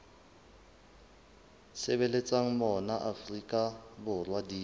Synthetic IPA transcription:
sebelet͡sʼaŋ̩mɔnaʔafrikʼabʊrwadiː

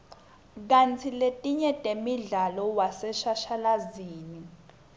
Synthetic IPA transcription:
k̬ant͡sʰiletʼiɲɛtʼemiɮalɔwasɛʃaʃalaziːni

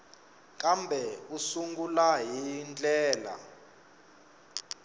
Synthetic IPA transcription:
kʼambʱɛusuŋɡulaɦind͡ɮʼɛːla̰

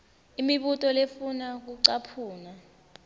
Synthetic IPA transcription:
imiɓutʼɔlefunak̬uǀapʰuːna

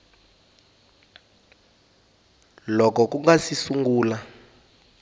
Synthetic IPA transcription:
lɔkɔkuŋɡasisuŋɡuːla

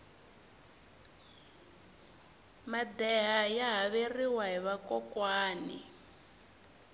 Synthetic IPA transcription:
mad̪ɛɦajaɦaβeriwaɦiβakɔkwaːnḭ

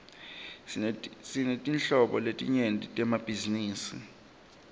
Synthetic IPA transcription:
sinetʼinɬɔɓɔletʼiɲentʼitʼɛmab̥ʱiziniːsi

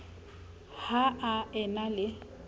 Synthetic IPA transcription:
haaɛnalɪ

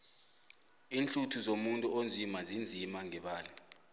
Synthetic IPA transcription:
iːnt͡ɬutʰuzomuntʼuond͡zʱimazind͡zʱimaŋɛɓaːlɛ

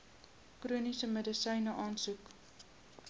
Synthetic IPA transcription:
kruənisəmədəsəjnəʔɑːnsuk

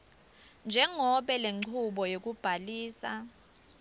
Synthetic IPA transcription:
nd͡ʒʱɛŋɔɓɛleŋ͡ǀʰuɓɔjok̬ub̥ʱaliːsa

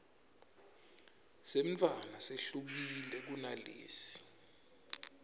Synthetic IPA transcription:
seɱanaseɬuk̬ilɛk̬unaleːsi̥

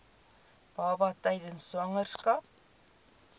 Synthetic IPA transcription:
b̥ɑːbɑtəjdənsɐŋərskɑp̚

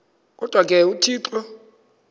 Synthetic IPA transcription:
k̬ʼɔd̥ʱwak̬ʼɛutʰiːǁɔ

